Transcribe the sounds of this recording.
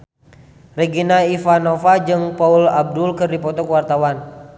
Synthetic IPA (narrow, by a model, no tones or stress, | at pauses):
rɛɡinaifanofad͡ʒɨŋpaulab̚dulkɨrdipɔt̪ɔkwart̪awan